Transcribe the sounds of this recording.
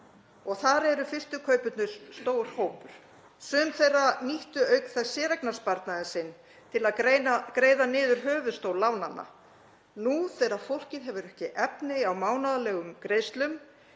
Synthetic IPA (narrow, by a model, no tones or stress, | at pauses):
ɔɣθaɾɛɾʏfɪr̥t̪ʏkʰœɥpʏt̪nʏ̥st̪oːwɾ̥hoːwpʏɾ̥ | sœmθejraniht̪ʏœːɥkθɛsːɛːɾɛknaspaɾt̪naðɪsɪn | t̪ʰɪlaðɾeakɾeːjðanɪːðʏɾ̥ɦœːvʏðst̪owlawnanːa̰ | nuθɛːɾaðfowl̥cɪðɦɛvʏɾɛhcɪʔɛpnɪawmaːwnaðalɛːɣʏmkɾeːjst̪lʏm